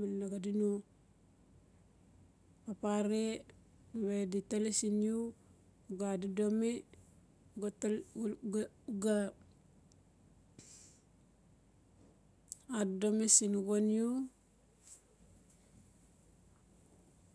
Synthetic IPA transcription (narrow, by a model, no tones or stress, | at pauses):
malnaɡadinu | papaɾe | weditalesinju | ɡadidome | ɡt | ɡa | addomesinuɡonju